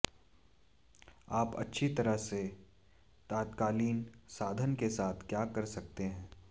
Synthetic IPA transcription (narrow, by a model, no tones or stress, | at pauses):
aːpɐ̰tːʃʰit̪ɐɾəɦse | t̪aːt̪kaːliːnsaːd̪ʱənkesaːt̪ʰkjaːkɐɾsɐk̚t̪eɦɛ̃ː